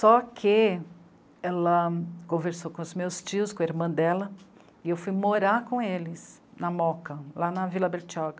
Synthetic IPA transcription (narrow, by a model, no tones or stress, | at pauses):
sɔkʰɪ | ɛlɐkõveɾsokõʊzmewst͡ʃiʊskõeɾmɐ̃d̪ɛlɐ | ɪewfujmoɾaɾkõelɪsnɐmɔkɐlanɐvilɐbeɾt͡ʃaɡɐ